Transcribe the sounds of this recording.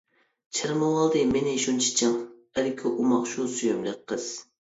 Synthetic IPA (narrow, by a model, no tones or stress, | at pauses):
t͡ʃʰɪɾmowɑlˠd̪ɨmɪnɪʃunt͡ʃʰi̥t͡ʃʰɪŋ | æɾɪkʲʰiʔumɑqʃusyjymlɨk̚ʲqʰːəz̥